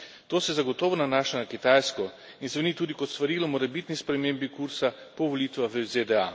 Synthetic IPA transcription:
t̪oːsɛzaɡɔt̪ɔːʋɔnanaːʃanakit̪ajskɔ | insʋɛnit̪uːd̪ikɔt̪st̪ʋaɾiːlɔmɔɾɛbit̪nispɾɛmeːmbikuɾsapɔʋɔliːt̪ʋaxʋəzed̪ɛa

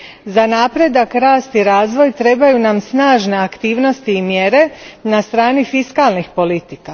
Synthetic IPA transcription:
zanaːpɾe̞d̪akɾaːst̪iɾaːzʋo̞jt̪ɾe̞bajunamsnaːʒne̞akt̪iːʋno̞st̪iːmjeɾe̞nast̪ɾaːnifiskalnixpo̞lit̪ika

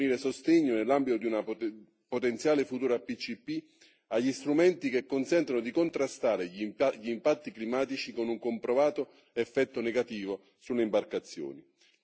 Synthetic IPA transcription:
niːɾesost̪eɲːonelːambit̪od̪iuna | pot̪ɛnt̪sjaːlefut̪uːɾapit͡ʃːipːi | aʎːist̪ɾumɛnt̪ik̟ekːonsɛnt̪anod̪ikont̪ɾast̪aːɾeʎʎiːmpat̪ːiklimaːt̪it͡ʃikonuŋkompɾovaːt̪o | ɛfːɛt̪ːonɛɡat̪iːvo | sulːeimbarkat̪sːjo̰ːni

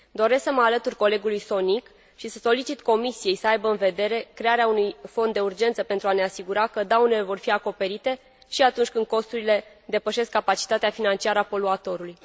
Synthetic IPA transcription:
d̪o̞ɾesksəməalət̪urʲko̞le̞ɡulujso̞nik | ʃisəso̞lit͡ʃit̪ko̞misije̞jsəajbəɨnve̞d̪e̞ɾe̞kɾe̞aɾeaunujfo̞nd̪ːe̞urd͡ʒe̞nt̪səpe̞nt̪ɾuane̞asiɡuɾakəd̪awne̞le̞vo̞rfiako̞pe̞ɾit̪e̞ | ʃiat̪unt͡ʃʲkɨnd̪̚ko̞st̪uɾile̞d̪e̞pəʃe̞skːapat͡ʃi̥t̪at̪eafinant͡ʃiaɾəapo̞luat̪o̞ɾuluj

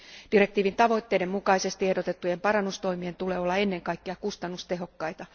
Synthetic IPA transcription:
d̥iɾe̞k̚t̪iːʋint̪ɑʋo̞it̪ːe̞ːdemːmukɑise̞st̪iehdo̞t̪et̪ːujempɑɾɑnːust̪o̞imient̪ule̞ːo̞lːɑe̞nːe̞ŋkɑjkːeɑkust̪ɑnːust̪e̞ɦo̞kːɑjt̪ɑ

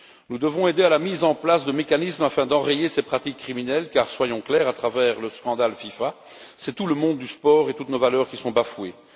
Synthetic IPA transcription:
nud̪əvɔ̃ed̪ealamizɑ̃plasd̪əmekanismafɛ̃d̪ɑ̃ʁejesepχat̪ikːχiminɛlkaːʁswajɔ̃klɛːʁat̪χavɛːʁləskɑ̃d̪alfifa | sɛt̪uləmɔ̃d̪ːyspɔʁet̪ut̪novalœːʁkʲisɔ̃bafwe

